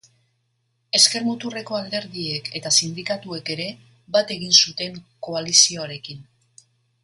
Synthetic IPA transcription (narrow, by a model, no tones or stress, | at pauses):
e̞ske̞ɾmut̪ure̞ko̞ald̪e̞ɾðie̞ke̞t̪asind̪ikat̪ue̞ke̞ɾe̞ | bat̪e̞ɣ̞insut̪e̞ŋko̞alisio̞aɾe̞kin